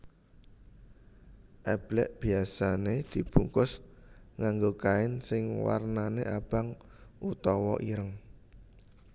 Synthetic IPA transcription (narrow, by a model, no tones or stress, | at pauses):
ʔɛb̥lɛ̰ʔb̥iasaned̪̥i̤b̥uŋkʊsŋaŋɡokaɪnsɪŋwa̰rnaneʔab̥aŋ | ʔut̪ɔwɔ̰ʔiɾəŋ